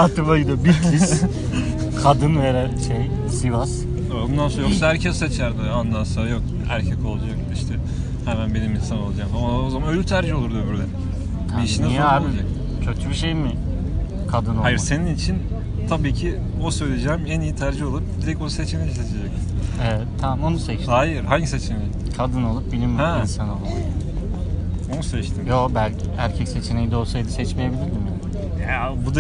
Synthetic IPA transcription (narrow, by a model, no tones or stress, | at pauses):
at̪ʰɯbajid̪obiɾki | kʰad̪ɯnveɾæɾʃej | sɯjvas | bund̪ansoajoksaæɾcʰɛset͡ʃʰæɾd̪ɪand̪ˠansajo̞k̚ | æ̰ɾcʰɛco̞lˠad͡ʒamd̪iʃt̪ʰɛ | hɛmænbe̞nimihisano̞lˠad͡ʒaːmamao̞zamanølʲyɾt̪ʰæɾd͡ʒiolˠuɾd̪uøbyɾlʲɛ̰ | iiʃinɛsod͡ʒac̚ | cʰøt̪ʰybiʃejmɪ | kʰad̪ɯnoajiɾse̞ninit͡ʃʰin | t̪ʰabiːcʰi | osø̞jlʲe̞d͡ʒɛːmænijit̪ʰæɾd͡ʒio̞lˠup̚d̪iɾɛcoset͡ʃʰenejiset͡ʃʰed͡ʒɛcɛvɛt̪ʰːamo̞nusɛt͡ʃd̪aːjiɾhaɲɟiset͡ʃʰenɛjkʰad̪ɯno̞lˠup̚bilʲimjɛinsano̞lˠu | o̞nusɛt͡ʃt̪ʰimjobælʲcʰiæɾcʰɛcse̞t͡ʃʰenejid̪o̞lˠsajd̪ɯsɛt͡ʃmejebilʲiɾd̪imjaːnɪ | abud̪a